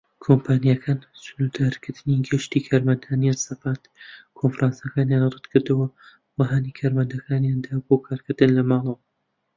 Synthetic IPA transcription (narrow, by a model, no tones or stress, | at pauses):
kʰompʰaːnijakʰaːnsʊnud̪aɾkɨɾd̪̥ɨniɡɨʃt̪iːkʰaːɾmɐnd̪aːnijansɐfaːt̪kʰonfɾaːnsakaːnjanrɨd̪kʰɨɾd̪ɨwɐ | waɦaːnikʰaːɾmɐnd̪ɐkʰaːnjand̪aːbokʰaːɾkɨɾd̪ɨnlɐmɑːlˠɐwɐ